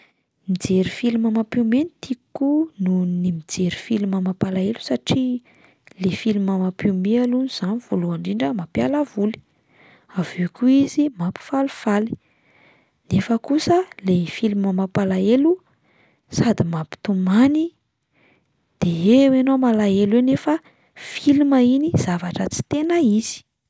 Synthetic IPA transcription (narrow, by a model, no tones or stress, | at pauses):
mid͡zeɾifiliməmapimenit̪ʰikununimid͡zeɾi̥filuməmapalaelu̥saʈ͡ʂi | lefiluməmapimealuniz̥aniv̥oluaɳɖ͡ʐiɳɖ͡ʐəmapjalavuli̥ | avekuizimapi̥fali̥fali̥ | nefəkusəlefiluməmapalaelu | sad̪imapi̥t̪umani | d̪̥eewenomalaelwenefə | filuməiniz̥avaʈ͡ʂət͡si̥t̪enəiz̥i̥